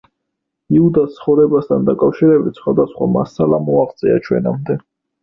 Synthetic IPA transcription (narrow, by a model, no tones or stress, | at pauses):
iud̪ast̪sʰχɔvɾɛbast̪ʰand̪akʼafʃiɾɛbit̪ʰsχwad̪asχwa̰ma̰salamɔaʁt̪sʼia̰t͡ʃʰwɛ̰namd̪ɛ